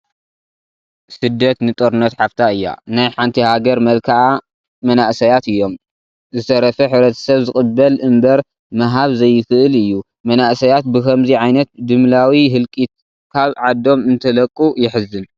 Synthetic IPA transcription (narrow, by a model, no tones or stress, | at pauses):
sɨd̪ːɐt̪nɨt̪ʼoɾɨnɐt̪ħaft̪ʰaɨjːa̰najħant̪ʰihaɡɐɾmɐlkʰaʔa | mɐnaʔsɐjat̪ɨjːom | zɨsɐɾɐfɐħɨβɾɐt̪ʰɐ̥sɐβzɨkʼɨbːɐlɨmbɐɾ | maɦaβzɐjːɪxɨʔɨlɨjːu | mɐnaʔsɐjat̪̚bɨkʰɐmziʕajnɐt̪̚d̪ɨmlawiɦɨlkʼit̪̚ | kʰaβʕad̪o̞mɨnt̪ʰɐlɐkʼːujɪħɨzːɨn